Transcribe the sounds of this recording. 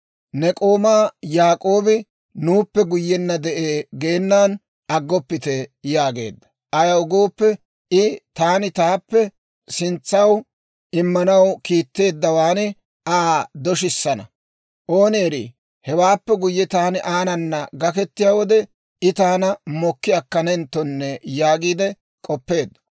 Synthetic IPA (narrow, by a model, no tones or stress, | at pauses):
nɛkʼo̞ːmaːjaːkʼoːbɪ | nuːpːɛɡʊjːɛnːɐd̪ɛʔeːɡe̞ːnːaːn | ɐɡːɔpːɪt̪ɛjaːɡe̞̰ːd̪ːɐ̥ | ʔɐjɐwɡoːpːɛ | ɪt̪aːnɪt̪aːpːɛ | sɪnt͡sːɐw | ʔɪmːɐnɐwkiːt̪ːe̞ːd̪ːɐwaːnɪ | ʔaːd̪ɔʃɪsːɐnɐ̰ | ʔoːneːɾḭ | hɛwaːpːɛɡʊjːɛt̪aːnɪʔaːnɐnːɐɡɐkɛt̪ːɪjaːwɔd̪ɛ | ɪt̪aːnɐmɔkːɪjɐkːɐnɛnt̪ːɔnːɛjaːɡiːd̪ɛ | kʼɔpːe̞ːd̪ːɔ̥